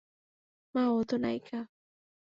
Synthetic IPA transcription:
maot̪ona̰jkʰa

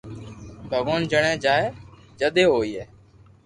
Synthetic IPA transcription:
bʱəɡoːnd͡ʒəɳẽːd͡ʒaːeːd͡ʒəɗ̪eːɦoːiːeː

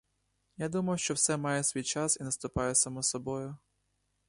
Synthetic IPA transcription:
jad̪umɐjʊʃt͡ʃɔwsɛmɑjɛsʲʋʲijt͡ʃɑsinɐst̪ʊpɑjɛsɐmɔsɔbɔjʊ

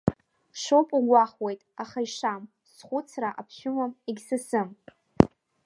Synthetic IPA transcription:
ʂowpʼuɡʷaχwe̞jtʼaχaiʂam | sχʷʊt͡sʰraʔapʰʃʊmamiɡʲsɨsɨm

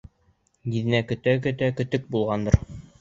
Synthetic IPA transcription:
ɡiðɘ̆nækɵ̆t̪æk̬ɵ̆t̪ækɵ̆t̪ɵk̚bulˠʁɑnd̪ɤɾ

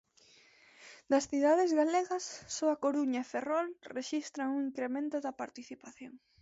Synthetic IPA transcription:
d̪ɐsθiðaðezɣaleɣɐsːoɐkoɾuɲɐeferɔlreʃist̪ɾɐŋuŋiŋkɾemẽnt̪ʊðɐpaɾt̪iθipaθjoŋ

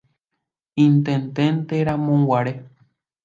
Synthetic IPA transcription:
ĩnt̪ẽnd̪ẽnt̪eɾãmõwʷaɾe

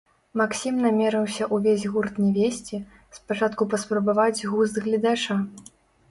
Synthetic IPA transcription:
maksʲimnamʲɛɾɨwsʲɐʔuvʲezʲɣurt̪nʲɛvʲesʲt͡sʲi | spat͡ʂat̪kupɐspɾɐbavad͡zʲɣuzd̪ɣlʲid̪at͡ʂa

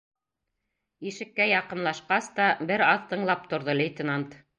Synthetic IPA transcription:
iʃɘ̆kːæjɑqɤ̆mlˠɑʃqɑst̪ɑbɘɾɑðt̪ɤ̆ɴlˠɑp̚t̪ŏɾðɤlʲɪjt̪ʲɪnant̪

